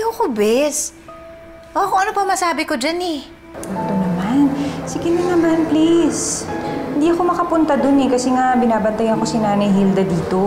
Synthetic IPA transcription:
jʊkʊbɛs | ʔokoŋʔɐnopɐmɐsaːbɪko̞d͡ʒanɛ | at̪onɐmansɪɡɪnɪnɐmanplishɪnd̪iːʔɐko̞mɐkɐpʊnt̪ɐd̪onɛkɐsɛŋabɪnaːbɐnt̪ɐjɐnko̞sɪnaːnɐjɦild̪ɐd̪iːt̪o̞

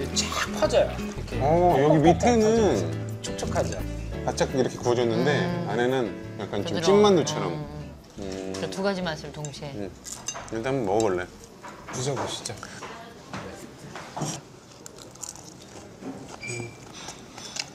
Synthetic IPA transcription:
et͡ɕʰapʰad͡ʑaja | kʰeʌjʌɡimitʰenɯn | t͡ɕʰok̚t͡ɕ͈ʌkʰad͡ʑakat͡ɕ͈ʰakiɾʌkʰe̞kuʌd͡ʑʌnːɯnde̞ane̞nɯnjak͈ant͡ɕomt͡ɕ͈inmandot͡ɕʰʌɾʌm | ɯʌtuɡad͡ʑimansʰɯɭtoŋɕʰie | kɯtamɯnmʌbʌɭːe | id͡ʑʌɡoɕʰi̥t͡ɕ͈ak

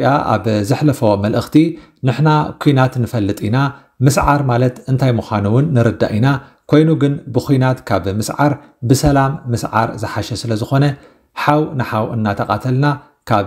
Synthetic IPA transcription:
jaʔa̰βzɨħlɐfo̞mɐlʔɨxt̪ʰi | nɨħnakʰujnat̪nɨfɐlːɨt̪ʼina | mɨsʕaɾmalɐt̪ɨnt̪ʰajmuxʷanuwʊnːɨɾɨd̪ːa̰ʔina | kʰo̞jnuɡɨnbɨkʰujnat̪kʰaβmɨsʕaɾ | bɨsɐlamːɨsʕa̰ɾzɨħaʃɛsɨlɐzɨxo̞nɐ | ħawnɨħawʔɨ̰nːat̪ʰɐkʼat̪ʰɐlna | kʰaβ

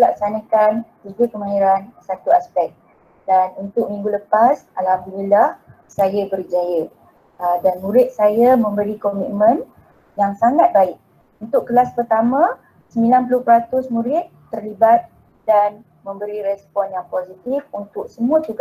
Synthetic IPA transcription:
lak̚sanakantubʊt̪̚kəmãɦiɾansat̪uaspɛk̚ | danunt̪ʊk̚mĩŋɡuləpasʔalhamd̪unilah | sajabəɾid͡ʒajə | ədanmũɾɪt̪̚sajamə̃mbəɾikomit̪̚mə̃n | jaŋsaŋat̪̚baɪk̚ | unt̪ʊkːəlaspərt̪amã | səmilanpulʊhpɾat̪ʊsmũɾɪt̪ːərlibat̪̚ | dan | mə̃mbəɾiɾɛspɔnjaŋposit̪ifunt̪ʊk̚səmũət̪uɡa

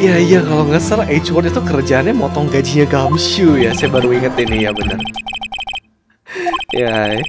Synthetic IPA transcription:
jaijakaloŋɡasəlet͡ʃwɔrt̪it̪ukəɾəd͡ʒaːnɲamɔt̪ɔŋɡad͡ʒiɲaɡamʃujasajabaɾuiŋət̪inɪjabənə̰r | ja

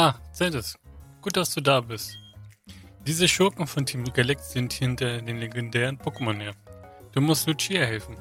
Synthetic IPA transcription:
ʔaːt͡sɛtəsɡ̥uːt̚d̥asd̥uːdaːbɪst | d̥iːzəʃʊɐkŋ̩fɔntʰimɡɐlɛktz̥ɪnthɪntɐdeːnleɡɛndɛːʁ̞ənpʰokəmɔneːɐd̥uːmʊstlut͡ʃiːɐhɛlfn̩

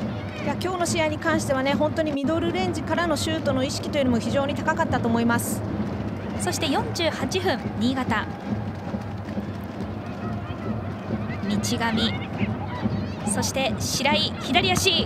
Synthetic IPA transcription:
jakʲo̞ːno̞ɕijaiɲ̟ikãɰ̃ɕi̥t̪e̞βane̞hõ̞nt̪o̞ɲ̟imʲid̪o̞ɾɯ̟ɾẽ̞ɲ̟d͡ʑikaɾano̞ɕɨːt̪o̞no̞iɕi̥kʲi̥t̪o̞jɯ̟nomoçiʑo̞ːɲ̟it̪akakat̪ːat̪o̞ːmo̞imasɨ̥ | so̞ɕi̥t̪e̞jõ̞ɲ̟d͡ʑɨːhat͡ɕiɸɯ̟̃nɲʲiːɡat̪a | mʲit͡ɕiɡamʲi | so̞ɕi̥t̪e̞ɕiɾaiçid̪aɾʲijaɕiː

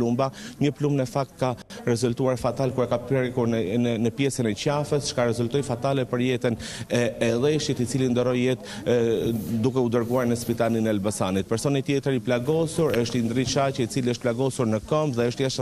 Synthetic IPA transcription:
umbaɲəplumnəfak̚t̪̚ka | ɾɛzult̪uaɾfat̪alkuɾɛkapɛɾikuɾnəpjɛsənɛcafəst͡ʃkaɾɛzult̪ɔjfat̪alɛpəɾjɛt̪ənɛɛðɛʃit̪it͡silind̪ɔɾɔjjɛt̪ | d̪ukɛud̪əɾɡuaɾnəspit̪aninɛalbasanit̪̚pɛɾsɔnit̪jɛt̪əɾiplaɡɔsuɾəʃt̪ind̪ɾit͡ʃacəit͡siliəʃt̪̚plaɡɔsuɾnəkɔmpðɛəʃt̪jaʃ

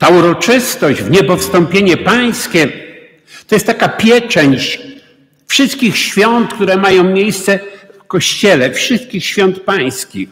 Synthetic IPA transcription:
t̪auɾɔt͡ʂɪst̪ɔʑd͡ʑvɲɛpɔfst̪ɔmpʲjeɲɛpaj̃skʲɛ | t̪ɔjɛst̪t̪akapʲjɛt͡ʂɛɲt͡ɕ | fʂɨst̪kʲixɕfʲjɔnt̪kt̪uɾɛmajɔ̃w̃mʲjejst̪sɛfkɔɕt͡ɕɛlɛfʂɨst̪̚kʲixɕfʲjɔnt̪̚paj̃skʲix

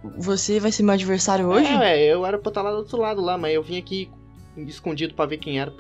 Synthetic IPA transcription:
vosevajseɾmewad͡ʒiveɾsaɾjʊoʒɪ̃w̃ɛewɛɾɐpot̪alad̪ʊot̪ɾʊlad̪ʊlamɐzewvĩɲaki | ɪskõd͡ʒid̪ʊpɾɐvekẽj̃ɛɾɐ

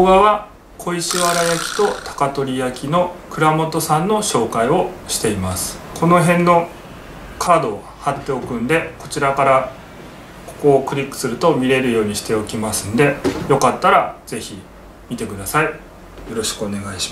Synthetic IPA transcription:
oɡaβa | kʰo̞iɕiβaɾajakʲi̥t̪o̞t̪ʰḁkat̪o̞ɾʲijakʲino̞kɯ̟ɾamo̞t̪o̞sãnːo̞ɕo̞ːkaio̞ɕi̥t̪e̞imasɨ̥kʰo̞no̞ɦẽ̞nːo̞ | kʰaːd̪o̞ː | hat̪ːe̞o̞kɯ̟̃nd̪e̞ko̞t͡ɕiɾakaɾa | ko̥ko̞ːkɯ̟ɾʲikːɯ̥sɨɾɯ̟t̪o̞mʲiɾe̞ɾɯ̟jo̞ːɲ̟iɕi̥t̪e̞o̞kʲimasɨ̃nd̪e̞jo̞kat̪ːaɾaz̥e̞çi | mʲit̪e̞kɯ̟d̪asai | jo̞ɾo̞ɕi̥kɯ̟o̞ne̞ɡaiɕi̥

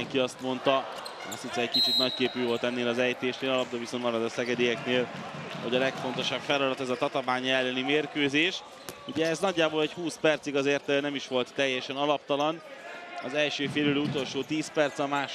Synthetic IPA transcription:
ɛŋkiɒst̪mo̞nt̪ɒ | ɒ̰st̪it̪sɛɛckit͡ʃit̪nɒckeːpyːvo̞lt̪ɛnːeːlɒzɛjt̪eːʃneːlɒlɒp̚d̪oviso̞nt̪mɒɾɒd̪ɒsɛɡɛd̪ejɛkneːlho̞ɟɒlɛkfo̞n̪t̪o̞ʃɒbfɛlɒd̪ɒt̪ɛzɒt̪ɒt̪ɒvaːɲɛlːɛnimeːrkøːzeːʃ | uɟɛːznɒɟːaːboːlɛchuːspɛrt̪siɡɒzeːrt̪nɛmiʃʋo̞lt̪ːɛjːɛʃɛnɒlɒp̚t̪ɒlɒn | ɒzɛlʃøːfeːlyløːut̪o̞lʃoːt̪iːspɛrt̪sɒmaːʃ

